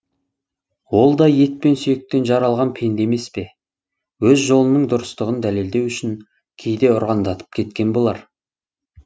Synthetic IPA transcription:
wo̞lˠd̪ɑje̞t̪̚pe̞nsʏjek̚t̪e̞nʒɑɾɑlˠʁɑnpʰe̞nd̪e̞me̞spe̞ | wɵzʒo̞lˠənəɴd̪ʊɾəst̪əʁənd̪æle̞ld̪e̞wʏʃɪn | kʲʰe̞jd̪e̞ʊɾʁɑnd̪ɑt̪ʰə̥p̚kʲʰe̞t̪kʲe̞nbo̞lˠɑ̰ɾ

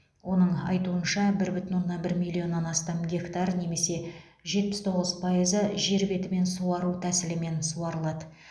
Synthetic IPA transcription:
wʔo̞nəɴɑ̰jt̪uənʃɑbɪɾbʏt̪ɪnwo̞nːɑbɪɾmʲijlʲˠːio̞nːɑnɑst̪ɑmɡʲe̞kt̪ɑrne̞me̞se̞ | ʒe̞t̪̚pɪst̪ʰo̞ʁəzpʰɑjəzəʒe̞ɾbe̞t̪ɪme̞nsuwɑɾut̪ʰæsɪlɪme̞nsuɑɾəlˠɑd̪ə

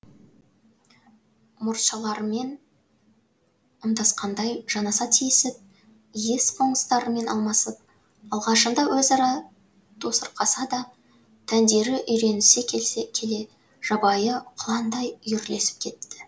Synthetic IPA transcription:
mʊɾʃɑlˠɑɾme̞n | əmd̪ɑsqɑnd̪ɑjʒ̥ɑnɑsɑt̪ʰijɪsɪp̚ | je̞spʰo̞ŋst̪ɑɾəme̞nɑ̰lˠmɑsəp̚ | ɑlˠʁɑʃənd̪ɑwɵzɑɾɑ | t̪ʰo̞səɾqʰɑsɑd̪ɑ | t̪ʰænd̪e̞ɾɪʔʏjɾe̞nɪse̞kʲʰe̞le̞ | ʒ̥ɑbɑjəqʰʊlˠɑnd̪ɑjjʏɾle̞sɪ̥p̚kʲʰe̞t̪ːɪ̥

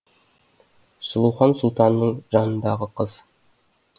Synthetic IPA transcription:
sʊlˠuwχɑnsʊlˠt̪ɑnːəɴʒɑnənd̪ɑʁəqʰəz

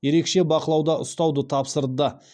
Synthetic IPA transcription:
je̞ɾe̞kʃe̞bɑqəlˠɑwd̪ɑʔʊst̪ɑwd̪ət̪ʰɑpsəɾd̪ə

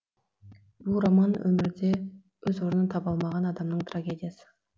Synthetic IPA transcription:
bulˠrɑmɑnwɵmɪɾd̪e | wɵzoɾənənt̪ʰɑbɑlˠmɑʁɑnɑd̪ɑmnəɴt̪raɡʲe̞d̪ʲijasə̥

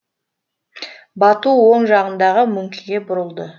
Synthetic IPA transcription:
bɑt̪uwo̞ɴʒɑʁənd̪ɑʁəmʏŋkʲʰɪɡʲe̞bʊɾəlˠd̪ə

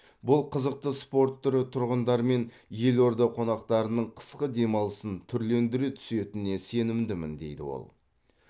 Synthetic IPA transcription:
bʊlˠqʰəzəq̚t̪əspo̞ɾt̪ʰːʏɾɪt̪ʰʊɾʁənd̪ɑɾme̞n | je̞lo̞ɾd̪ɑqʰo̞nɑqt̪ɑɾənəɴqʰə̥sqəd̪e̞mɑlˠəsənt̪ʰʏɾle̞nd̪ɪɾet̪ʰʏ̥se̞t̪ɪne̞se̞nɪmd̪ɪmɪ̰nd̪e̞jd̪ɪ̰wo̞̰lˠ

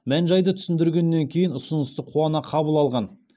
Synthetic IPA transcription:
mænʒɑjd̪ət̪ʰʏ̥sɪnd̪ɪɾɡʲe̞nːe̞ŋkʲʰejɪnʊsənəst̪əqʰuɑnɑqʰɑbəlˠɑlˠʁɑn

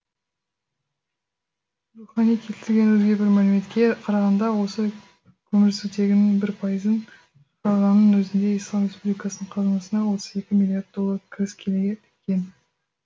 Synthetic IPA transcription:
ruχɑnijkʲʰe̞t̪ɪ̥sɪɾɡʲe̞nwɵzɡʲe̞bɪɾmælɪme̞t̪kʲe̞qʰɑɾɑʁɑnd̪ɑwo̞sə | kʲʰɵmɪɾsɪzt̪ʰe̞ɡʲɪnɪŋbɪɾpʰɑjəzən | ɑʁɑnːənwɵzɪnd̪e̞ijslˠɑmɾʲe̞spublʲijkɑsənəɴqʰɑzənəsənɑwo̞t̪əze̞kʲɪmʲilʲˠijard̪ːolˠːɑɾkʲʰɾɪskʲʰe̞leɡʲeɪkʲːe̞n

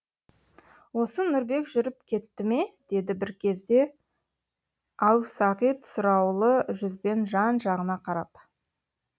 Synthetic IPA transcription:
wo̞sənʊɾbe̞kʒʏɾɪp̚kʲʰe̞t̪ːɪme̞d̪̥e̞d̪ɪbɪɾkʲʰe̞zd̪e̞ | ɑwsɑʁijt̪ʰʊ̥sʊɾɑwlˠəʒʏzbe̞nʒɑnʒɑʁənɑqʰɑɾɑp

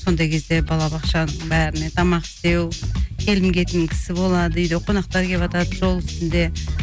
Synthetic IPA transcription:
so̞nd̪ɑjkʲʰezd̪e̞bɑlˠɑbɑqʃɑnəɴbæɾɪne̞t̪ʰɑmɑqɪ̥st̪e̞wkʲʰe̞lɪmkʲe̞t̪ɪŋkʲʰɪ̥sɪbo̞lˠɑd̪əʏjd̪ɪqʰo̞nɑq̚t̪ɑɾkʲe̞pɑt̪ɑd̪əʒo̞lˠɪst̪ɪnd̪e̞

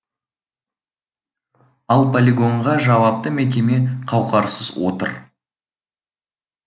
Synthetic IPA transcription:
ɑlˠpʰolʲiɡo̞ɴʁɑʒɑwɑp̚t̪əmek̬ʲe̞me̞qʰɑwqɑɾsəzwo̰t̪ə̰ɾ

